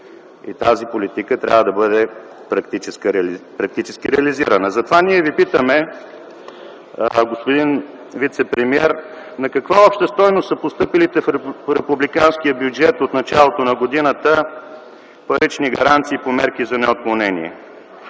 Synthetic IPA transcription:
ḭt̪azipolit̪ikət̪ɾʲa̰vəd̪ɐbɤd̪ɛ | pɾɐkt̪it͡ʃɛskɾpɾɐk̚t̪it͡ʃɛskʲiɾɛɐliziɾənəzɐt̪ovaniɛvipit̪əmɛ | ɡospod̪in | vit̪sɛpɾɛmiɛɾ | nɐkɐkvaɔpʃt̪əst̪ɔjnost̪əpost̪ɤpilit̪ɛfɾɛpublikanskiəbjud͡ʒɛt̪ot̪nɐt͡ʃalˠot̪onɐɡod̪inət̪ə | pɐɾit͡ʃniɡɐɾant̪siːpomɛɾkizɐnɛot̪̚kˠɐnɛnḭɛ̰

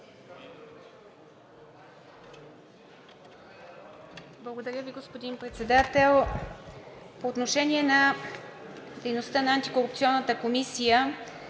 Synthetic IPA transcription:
blˠəɡod̪ɐɾʲjəviɡospod̪inpɾɛt̪sɛd̪at̪ɛlˠ | poːt̪noʃɛniɛna | d̪ɛjnost̪ənɐant̪ikoɾup̚t̪iɔnːət̪əkomisijə

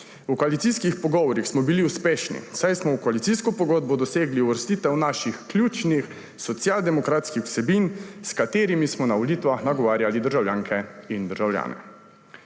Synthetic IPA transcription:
ukoalit̪siːskixpɔɡɔʋɔɾixsmɔbiliuspeːʃnḭsajsmɔwkɔalit̪iːskɔpɔɡɔːd̪̚bɔd̪ɔseːɡliuʋəɾst̪iːt̪ɛwnaʃixkljuːt͡ʃnix | sɔt̪sjald̪ɛmɔkɾaːt̪skixw̥sɛbinskat̪eːɾimismɔnaɔliːt̪ʋaxnaɡɔʋaːɾjalid̪əɾʒawljaːŋkʰɛind̪əɾʒawlja̰ːnɛ̰

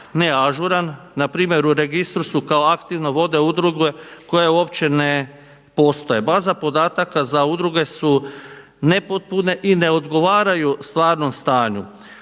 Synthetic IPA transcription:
neaʒuɾanːapɾiːmjeɾuɾe̞ɡist̪ɾusukao̞akt̪iʋno̞ʋo̞d̪e̞ud̪ɾuɡeko̞jeuoːpt͡ɕe̞ne̞ | po̞st̪o̞jebaːzapo̞d̪aːt̪akazaud̪ɾuɡe̞su | ne̞pot̪̚pune̞ʔine̞o̞d̪ɡo̞ʋaːɾajust̪ʋaːɾno̞mst̪aːɲu

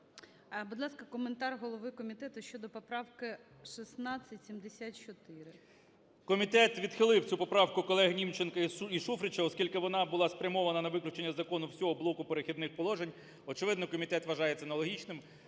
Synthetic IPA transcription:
bud̪lˠɑskɐkɔment̪ɑrɦɔlˠɔʋɪkɔmʲit̪ɛt̪ʊʃt͡ʃɔd̪ɔpɔpɾɑwkɪ | ʃisnɑt͡sʲːɐtʲsʲimd̪esʲatt͡ʃɔt̪ɪɾɪ | kɔmʲit̪ɛt̪ʋʲid̪xɪlˠɪwt͡sʲupɔpɾɑwkʊkɔlˠɛɦnʲimt͡ʃenkɐiʃufɾɪt͡ʃɐɔskʲilʲkɪʋɔnɑbʊlˠɑspɾʲɐmɔʋɐnɐnɐʋɪklʲʊt͡ʃenʲːɐzɐkɔnʊwsʲɔɦɔblˠɔkʊpeɾexʲid̪nɪxpɔlˠɔʒenʲ | ɔt͡ʃɪʋɪd̪nɔkɔmʲit̪ɛt̪ʋɐʒɑjet͡sʲːɐnɐlˠɔɦʲit͡ʃnɪm

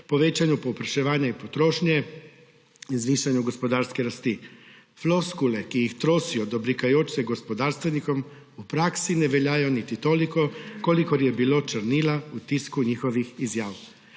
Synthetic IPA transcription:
pɔʋeːt͡ʃanjupɔwpɾaʃɛʋaːnjaipɔt̪ɾoːʃnjɛ | inzʋiːʃanjuɡospɔd̪aːɾskɛɾast̪i | floskulɛkijixt̪ɾoːsijɔd̪ɔbɾikajoːt͡ʃsɛɡospɔd̪aːɾst̪ʋɛnikɔm | upɾaːksinɛʋɛljaːjɔnit̪it̪oːlikɔkolikɔɾjɛbiloːt͡ʃəɾniːlaut̪iskuɲiːxɔʋixizjaːw

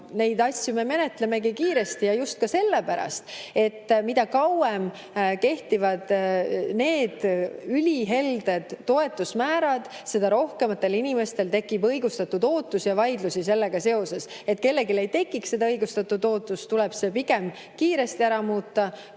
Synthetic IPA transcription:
ne̞jd̪ɑsʲjume̞me̞ne̞t̪ˑle̞me̞ɡikiːɾe̞st̪ijɑjust̪̚kɑse̞lːepæɾɑ̰st̪e̞t̪ːmid̪ɑkɑwem | ke̞ht̪ivɑd̪̥ne̞ːd̪̥ylʲiɦe̞ld̪̥e̞d̪̥ːo̞e̞t̪ːˑusmæːɾɑd̪̥ | se̞d̪ɑɾo̞hke̞mɑt̪ːˑe̞linʲime̞st̪e̞lt̪e̞kːˑibɤjɡust̪ɑt̪ːud̪̥o̞ːt̪ˑːusijɑvɑjd̪lusise̞lːe̞ɡ̥ɑse̞o̞se̞set̪̚ːˑke̞lːe̞ɡile̞jt̪e̞kːˑikse̞d̪ɑɤjɡ̥ust̪ɑt̪ːˑud̪o̞ːt̪ːˑust̪ulɛb̥se̞piɡe̞m | kiːɾe̞st̪iæɾɑmuːt̪ːɑ

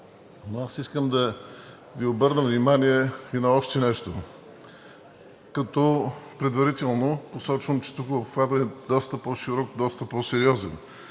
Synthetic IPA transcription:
noasiskəmd̪ɐ | viobɤɾnəvnimaniɛinɐɔʃt̪ɛnɛʃt̪o | kɐt̪ɔpɾɛd̪vɐɾit̪ɛlˠnoposɔt͡ʃvəmt͡ʃɛ̥t̪ukəopxvad̪əɛd̪ɔst̪əpɔʃiɾɔkd̪ɔst̪ɐpɔsɛɾiɔzɛ̰n

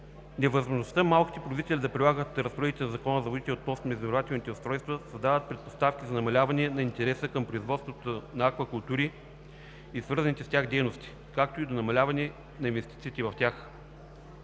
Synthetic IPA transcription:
nɛvəzmoʒnost̪əmalˠkʲi̥t̪ɛpoɾzit̪ɛlʲid̪ɐpɾʲilˠaɡət̪ɾəspoɾɛd̪it̪ɛnɐzɐkɔnəzɐvod̪it̪ɛlɛot̪nɔsnomɛzd̪ɾovat̪ɛlˠnit̪ɛʊst̪ɾɔjst̪vəsɐzd̪avət̪̚pɾɛt̪̚post̪afkʲizɐnɐmɐlʲavɐnɛnɐint̪ɛɾɛsəkɐmpɾoizvɔt̪st̪vot̪onɐakvɐkulˠt̪uɾiː | svɤɾzɐnit̪ɛst̪ʲaɣd̪ɛjnost̪i̥ | kak̚t̪oid̪onɐmɐlʲavɐnɛ | nɐinvɛst̪it̪siːt̪ɛvɐft̪ʲax

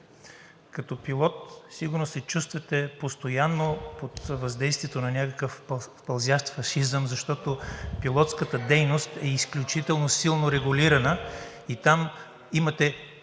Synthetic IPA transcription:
kɐt̪ɔpilˠɔt̪siɡʊɾnosɛt͡ʃust̪vɐt̪ɛpost̪ojanːopot̪vɐzd̪ɛjst̪viɛt̪onɐnʲakəkəfpɐlˠzʲaʃt̪fɐʃizəmzɐʃt̪ɔt̪opilˠɔt̪skət̪əd̪ɛjnost̪ɛisklʲut͡ʃit̪ɛlˠnosilˠnoɾɛɡʊliɾɐnə | it̪am | imɐt̪ɛ

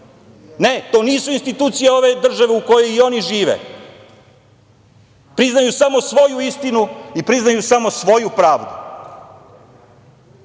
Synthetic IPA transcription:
ne̞t̪o̞ːniːsuinst̪it̪uːt̪sijeo̞ʋe̞d̪r̩ʒaʋeuko̞je̞io̞niʒiːʋḛ | pɾiznajusamo̞sʋo̞juist̪inuipɾiznajusamo̞sʋo̞jupɾaːʋd̪ṵ

